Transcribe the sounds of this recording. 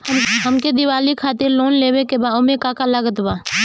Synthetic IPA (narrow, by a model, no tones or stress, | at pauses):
ɦəmked̪ɪwaːlikʰaːt̪ɪɾloːnleːwekebaːʊmẽkaːkaləɡət̪baː